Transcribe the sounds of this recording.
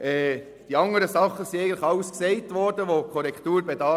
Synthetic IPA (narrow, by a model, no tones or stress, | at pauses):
ɛː | d̥iɑŋəɾəsɑχːəsiæɡəntlɪχɑʊskseɪtʋɔɾd̥əʋokʰɔɾɛkt̪uːɾbedɑː